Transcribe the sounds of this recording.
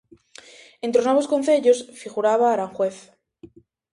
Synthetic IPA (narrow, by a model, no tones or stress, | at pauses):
ent̪ɾonwe̞βo̞sko̞nθe̞ʎo̞sfiɣuɾaβaːɾaŋxweθ